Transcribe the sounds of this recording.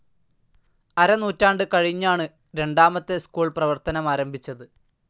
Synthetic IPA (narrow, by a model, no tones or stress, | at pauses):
ɐɾɐnuːtːaːɳɖɨkɐɻiɲːaːɳɨ | ɾe̞ɳɖaːmɐt̪ːe̞skuːɭprɐʋɐrt̪ɐnɐmaːɾɐmbʱit͡ɕːɐðɨ